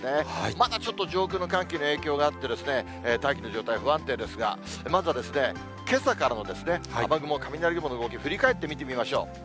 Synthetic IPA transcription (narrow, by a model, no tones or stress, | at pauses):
d̪emad̪at͡ɕo̞t̪ːo̞d͡ʑo̞ːkɯ̟no̞kãŋkeːnoe̞ːkʲo̞ːɡaːt̪ːed̪e̞sɨne̞ː | t̪aikʲino̞ʑo̞ːt̪aiaɸɯ̟βãnt̪e̞d̪e̞sɨɡa̰ | mazɨβad̪e̞sɨne̞ | ke̞sakaɾano̞d̪e̞sɨne̞abaɡɯ̟mo̞kamʲinaɾʲiɡɯmonoɯɡokʲiɸɯ̟ɾʲikae̞t̪ːe̞mʲit̪e̞mʲimaɕo̞ː